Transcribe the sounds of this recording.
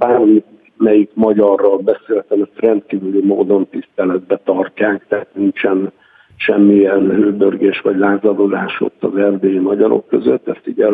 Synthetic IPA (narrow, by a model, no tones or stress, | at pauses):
baːrmi | mɛjikmɒɟɒrːɒlbɛseːlt̪ɛmɛt̪rɛnt̪̚kiːvylymoːd̪o̞nt̪ist̪ɛlɛd̪̚bɛt̪ɒrcaːkt̪ɛɦat̪nint͡ʃɛn | ʃɛmːiɛnhøːbørɡeːʃʋɒɟlaːzɒd̪od̪aːʃo̞̰t̪ːɒzɛrd̪eːimɒɟɒɾo̞̰kːøzøt̪ːɛst̪iɟɛ